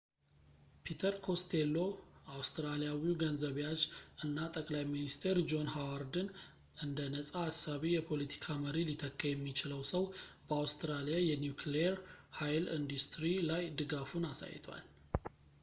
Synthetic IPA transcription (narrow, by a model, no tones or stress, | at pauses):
pʰit̪ʰəɾkʰo̞st̪ʰelːo̞awst̪ɾalijawiɡənzəβejat͡ʃɨnːat̪ʼəkʼlajminist̪ʰeɾd͡ʒo̞nhawaɾd̪ɨn | ʔɨnd̪ənəsʼaːsaβijɛpʰo̞lit̪ʰi̥kʰaməɾilit̪ʰəkːəjɛmːit͡ʃɪləwsəwbəawst̪ʰɨɾalijajɛnjukʰleɛɾhajlḭnd̪ust̪ɾilajd̪ɨɡafunasa̰j̰t̪ʰwa̰l